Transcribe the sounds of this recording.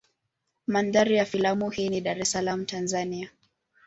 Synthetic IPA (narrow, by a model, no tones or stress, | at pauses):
mandaɾijafilamuhiːniɗaɾɛsalamutanzania